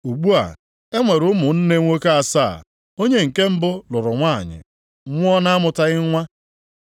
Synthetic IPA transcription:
u˨ɡ͡bu˦a̰˨ | e˦ŋʷe˨ɾʊ˦mʊ˨n̩˦ne˦ŋʷo˦ke˦a˨saː˦˨ | o˦ɲe˦ŋ̩˨ke˦m̩˦bʊ˦lʊ˨ɾʊ˨ŋʷa̰˦˨ɲɪ̰˨˦ | ŋʷ˦ɔ˦na˦a˦mʊ˨ta˦ɣɪ˦ŋʷa˦

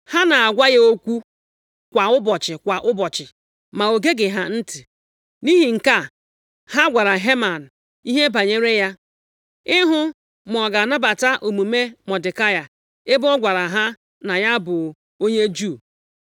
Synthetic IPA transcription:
ha˦na˨a˨ɡʷa˦je˦o˦kʷu˦ | kʷa˨ʊ˦bɔ˨t͡ʃɪ˨kʷa˨ʔʊ˦bɔ˨t͡ʃɪ˨ | ma˨o˨ɡe˦ɡɪ˨ɦa˦n̩˦tɪ˨ | ni˦ɦi˨ŋ̩˨ka˦ | ha˦ɡʷa˨ɾa˨ɦe˦ma˨n̩˨ | i˦ɦe˦ba˨ɲe˦ɾe˦ja˦ | ɪ˦ɦʊ˦ | m˨ɔ˨ɡa˨na˦ba˨ta˦ʔo˨mu˨me˦mɔ˨dɪ˨ka˦ja˨ | ɪ˦bʊ˦ɔ˦ɡʷa˨ɾa˨ɦa˦ | na˨ja˦bʊ˨ | o˦ɲe˦d͡ʒu˦˨

